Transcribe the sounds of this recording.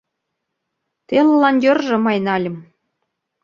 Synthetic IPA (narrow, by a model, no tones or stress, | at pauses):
t̪ellɑnʲjŏrʒɤ̆mɑjnɑlʲɘ̆m